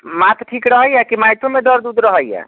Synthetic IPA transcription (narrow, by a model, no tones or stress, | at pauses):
mat̪ʈʰikɾəɦəjakimajʈ̪ʰomed̪əɾd̪ud̪ɾəɦəjja̰